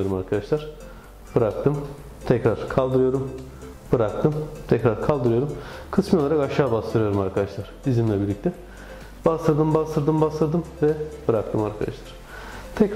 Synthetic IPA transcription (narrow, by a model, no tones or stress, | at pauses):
oɾumaɾkʰad̪aʃlˠaɾ̥ | bɯɾak̚t̪ʰɯm | t̪ʰɛcɾaɾ̥kʰalˠd̪ɯɾɯjo̞ɾum | b̥ɯɾak̚t̪ʰɯmt̪ʰɛcɾaɾkʰalˠd̪ɯɾɯjo̞ɾumkʰɯsmɯj̪ˠaɾakaʃaːbast̪ʰɯɾɯjo̞ɾumaɾkʰad̪aʃlˠaɾ̥izimlʲɛbiɾlʲic̚t̪ʰɛ | b̥ast̪ɯɾd̪ɯmbast̪ʰɯɾd̪ɯmbast̪ɯɾd̪ɯmvɛbɯɾak̚t̪ʰɯmaɾkʰad̪a̰ʃlˠaɾ̥ | t̪ʰɛk